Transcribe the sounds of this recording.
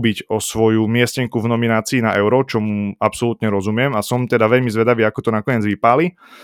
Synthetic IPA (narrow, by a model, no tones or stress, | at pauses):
biɟɔsʋɔjumɪɛscɛŋkuvnɔminaːt͡siːna̰ʔɛʊɾɔt͡ʃɔmuapsɔlut̪ɲɛɾɔzumɪɛmasɔmt̪ɛd̪aʋɛʎmizʋɛd̪aʋiːakɔt̪ɔnakɔɲɪɛːd͡zʋipaːli